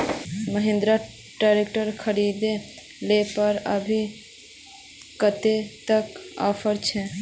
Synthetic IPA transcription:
məɦẽnd̪ɾa | ʈaɾek̚ʈəɾkʰəɾid̪e | lepəɾəbʱi | kət̪et̪əka̰pʰəɾt͡ʃʰɛ

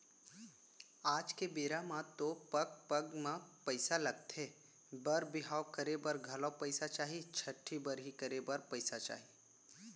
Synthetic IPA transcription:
aːd͡ʒkebeːɾamat̪opɐɡ̚pɐɡmãpəɪsalɐɡt̪e | bɐɾbɪɦaːwkəɾebɐɾɡʱɐlãpəɪsat͡ʃaːɦit͡ʃʰɐʈʰːibəɾɦikəɾebəɾpəɪsat͡ʃa̰ːɦi

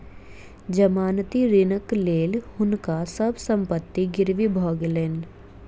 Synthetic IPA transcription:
d͡ʒɐmaːnt̪iɾɪnəkleːlhʊnkasɐbsə̃mpət̪ːiɡɪɾʋibʱɔːɡleːn

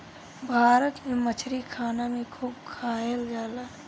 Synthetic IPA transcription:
bʱaːɾət̪mẽmət͡ʃʰɾikʰaːnamẽkʰuːbkʰaːjeld͡ʒaːlaː

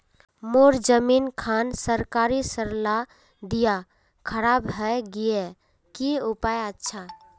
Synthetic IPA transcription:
moɾd͡ʒəminkʰansəɾkaɾisəɾla | d̪ija | kʰəɾabɦəɡije | kiupajətːʃʰa

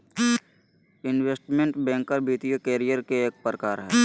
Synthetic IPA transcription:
ɪnweːsʈmẽɳʈbɛ̃ːŋkːəɾbiːt̪ijəkeːɾijəɾkeeːk̚pɾəkaːɾɦɛː

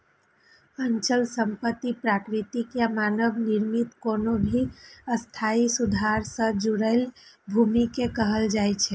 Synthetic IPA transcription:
ənt͡ʃəlsəmpət̪ːipɾakɾit̪ikjamanəbniɾmit̪koːnobʱiəst̪ʰaisud̪ʱaɾsə̃d͡ʒuɾəɪlbʱumikekəɦəld͡ʒaɛt͡ʃʰɛ

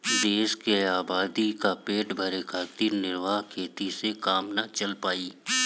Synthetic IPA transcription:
d̪eːʃkeaːbaːd̪ikapeːʈbʱɐɾekʰaːt̪iːɾnɪɾʋaːɦkʰeːt̪isekaːmnat͡ʃɐlpaːiː

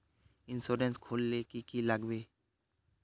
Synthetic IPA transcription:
ɪnsoːɾẽnskʰoːlːekikiləɡweː

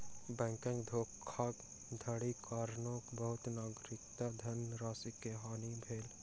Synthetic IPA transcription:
bɛ̃ːŋkɪ̃ŋɡd̪ʱoːkʰːaːk | d̪ʱəɽikaːɾnoːkbəɦʊt̪naːɡɾɪkt̪ad̪ʱɐnɾaːsikeɦaːnibʱeːl

